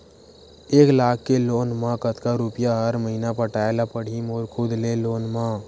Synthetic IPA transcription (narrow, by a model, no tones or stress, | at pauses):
eːklaːkʰːeloːnmãkət̪kaɾʊpɪjaɦəɾməɦinapəʈaːelapəɽ̤ʱimɔːɾkʰʊd̪ʱleloːnmã